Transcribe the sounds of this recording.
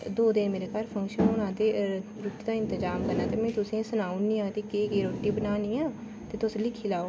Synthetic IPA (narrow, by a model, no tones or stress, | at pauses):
d̪oːd̪ɪnmeːɾeːkaɾpʰə̃ŋkʃənɦoːnãːd̪eː | ɾʊʈid̪aːɪ̃nt̪əd͡ʒaːmkəɾnaːt̪eːmɛ̃ːt̪ʊsẽːsʊnaːũnĩːãːt̪eːkeːɡeːɾoːʈːiːbənaːniːãː | t̪eːt̪ʊslɪkʰːiːlaːoː